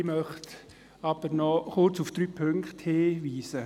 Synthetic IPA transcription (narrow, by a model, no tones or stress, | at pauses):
mœχt | ɑb̥ənɔχʊrt͡sufd̥ɾyːpʰøŋktheːʋiːsə